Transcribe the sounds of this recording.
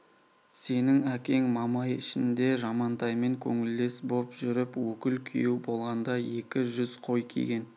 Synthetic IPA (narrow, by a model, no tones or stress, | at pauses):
se̞nɪŋækʲe̞ŋmɑmɑjɪʃɪnd̪e̞ʒɑmɑnt̪ɑjme̞ŋkʲʰɵŋɪld̪e̞sbo̞pʒʏɾɪpwɵkʲɪlkʲʰḭjubo̞lˠʁɑnd̪ɑje̞kʲɪʒʏzqʰo̞jkʲʰḛɡʲe̞n